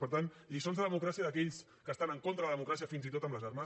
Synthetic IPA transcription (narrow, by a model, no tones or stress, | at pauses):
pəɾt̪an | ʎisonzðəðəmukɾasiəðəkɛʎs | kəst̪anəŋkont̪ɾəðəðəmukɾasiəfinzit̪ot̪əmbləzaɾma